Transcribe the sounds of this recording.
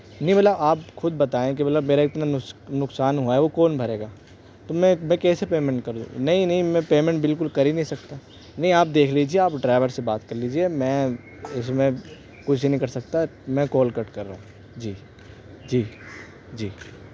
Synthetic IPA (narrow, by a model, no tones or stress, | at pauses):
nɐɦĩmbɐt̪ləbaːpxʊd̪̚bɐt̪aːẽk̬imbɐt̪ləbmeːɾaɪt̪naʊnʊksaːnɦuaɦɛʋokɔːnbʱɐɾeːɡaː | t̪omɛ̃mɛ̃kɛːsepeːmẽɳʈ̚kɐɾd̪ṵ̃ːnɐɦĩnɐɦĩmɛ̃peːmẽɳʈbɪlk̬ʊlkɐɾinɐɦĩsɐk̚t̪a | nɐɦĩaːp̚d̪eːkʰliːd͡ʒieaːpɖɾaːʋəɾsebaːt̪kɐɾliːd͡ʒiemɛ̃ | ɪs̬mẽ | kʊt͡ʃʰsinɦĩkɐɾsɐk̚t̪amɛ̃koːlkɐʈkɐɾːɐ̰ɦũ | d͡ʒiː | d͡ʒiː | d͡ʒiː